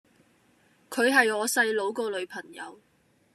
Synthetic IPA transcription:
kʰɵ˨˧ɥɦɐ˨jɔː˨˧sɐ˧jlo˨˧wkɔː˧lɵ˨˧ɥpʰɐ˨˩ŋjɐ̰˨˧w

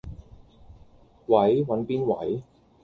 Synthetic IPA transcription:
wɐ˨˥jwɐ˨˥npiː˥nwɐ̰˨˥j

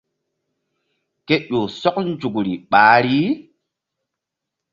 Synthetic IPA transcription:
ke˦ɗo˨sɔ˦k̚n˦d͡ʒu˨kɾi˨ɓaː˨˦ɾi˦

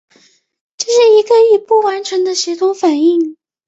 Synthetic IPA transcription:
ʈ͡ʂɤ˥˧ʂɻ̩˥˩i˧˥ɡə˧i˥˩pu˥˩wa˧˥nʈ͡ʂʰɤ˧˥ŋd̪ə˧ɕi˧˥t̪ʰʊ˧˥ŋfa˨˩ni˥˩ŋ

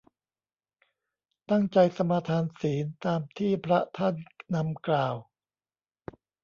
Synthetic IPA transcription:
t̪a˥˩ŋt͡ɕa˧jsa˧maː˧t̪ʰaː˧nsiː˩˦nt̪aː˧mt̪ʰiː˥˩pʰɾa˦˥t̪ʰa˥˩nːa˧mklaː˨˩w

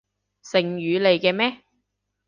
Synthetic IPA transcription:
sɪ˨ŋjyː˨˧le˨jkɛː˧mɛː˥

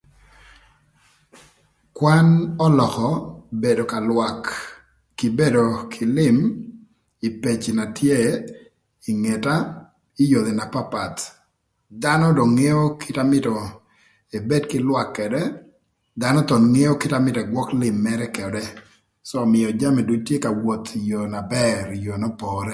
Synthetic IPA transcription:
kwa˦nɔ˦lɔ˨kɔ˨be˨do˨ka˨lwakː | ɪ˨be˦do˨kʰɪ˨lɪ˦m | i˨pe˨t͡ʃina˨tʰje˦ | iŋe˨ta˦ | ɪ˦jo˨d̪e˨na˨pa˦pa˨t̪ | danɔ˦do˨ŋe˦o˦kʰɪ˦tamɪ˦tɔ˨ | e˨be˦dkɪ˦lwa˨kːɛdɛ˦ | da˦nɔ˦t̪ɔ˨ŋe˦o˦kɪ˦ta˦mɪ˦tɔ˨ɛɡwɔ˦klɪ˨mːɛ˦ɾɛ˦kɛ˨ɔ˨dɛ˦ | sɔː˦˨mɪɔ˨d͡ʒa˦mɛ˨du˦t͡ʃtje˦ka˨wo˨t̪jo˨na˨bɛɾjo˨nɔ˦pɔɾɛ˦

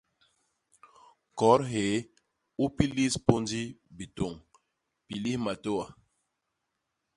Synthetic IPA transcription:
kɔ˨˦ɾɦe˨˦ | u˦pi˦li˦spo˦ndi˦bi˨to˨ŋ | pi˨li˦hma˨to˦wa˨

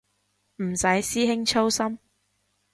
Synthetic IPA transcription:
m̩˨˩sɐ˨˥jsiː˥ɦɪ˥ŋt͡ʃʰo˥wsɐ˥m

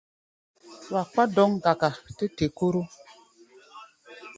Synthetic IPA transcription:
wa˨k͡pa˦dɔ˦ŋɡa˨ka˨te˦te˨ko˦ɾo˦

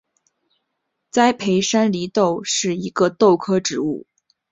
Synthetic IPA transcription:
t͡sa˥ɪpʰe˧˥ɪʂa˥nli˧˥t̪o˥˧ʊʂɻ̩˥˩i˧˥ɡə˧t̪o˥˩ʊkʰɤ˥ʈ͡ʂɻ̩˧˥u˥˩

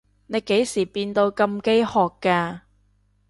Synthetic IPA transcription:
ne˨˧jke˨˥jsiː˨˩piː˧nt̪o˧wkɐ˧mke˥jhɔː˨kːaː˧

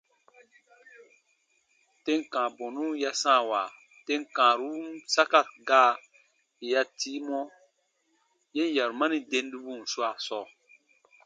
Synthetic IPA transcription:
te˦ŋkãː˨bɔ̃˨nũ˦ja˦sã˦˨wa˨ | te˦ŋkãː˨ɾu˦sa˦ka˦ɡaː˦ | e˨ja˦ti˦mɔ˦ | je˦n˦ja˨ɾu˨ma˦ni˦de˦n˦du˦bu˦˨n̩˨swa˨sɔ˦˨

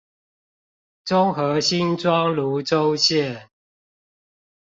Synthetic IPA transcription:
ʈ͡ʂʊ˦ŋxɤ˨˦ɕi˦nʈ͡ʂwɑ˦ŋlu˨˦ʈ͡ʂo˦ʊɕjɛ˥˨n

